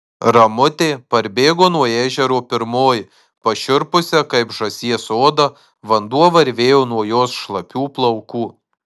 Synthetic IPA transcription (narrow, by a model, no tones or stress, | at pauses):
ɾɐmʊt̪ʲeːpɐɾʲbʲeːɡoːnuɔeːʒʲɛɾoːpʲɪɾmoːj | pɐʃʲʊɾpʊsʲɛkɐɪpʒɐsʲiɛsoːd̪ɐ | ʋɐnd̪uɔʋɐɾʲʋʲeːjoːnuɔjoːsʃlˠɐpʲuːplˠɐʊkuː